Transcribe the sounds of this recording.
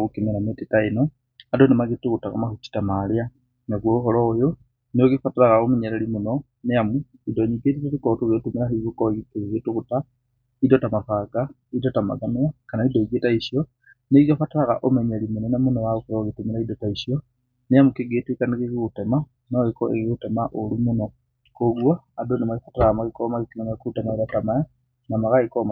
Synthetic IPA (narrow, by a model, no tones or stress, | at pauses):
ɣukimilametitaino | adonimaɣituɣutaka̰maxut͡ʃi̥tamalia | naɣwouxolojo | nijokifatilaɣaomiɲelelimuno | niamu | idoɲiɡetitalikotuɣitumilahiβukoikiβiɣituɣuta | idotamafaɡa | idotama̰ðamiakanaidoiɡetaisjo | neɣiafataɾaɣa̰ʔomeɲelimunonamunowaokuɾaoɣitumiɾaidotaisjo | neamukiɡetikaniɣeɣiɣutema | noɣikoḛɣiɣutemaʔolumuno | koɡwaːdonimaɣifataɾaɣamaɣikomakikinamakuutemaiɾatamaja | namaɣaikoma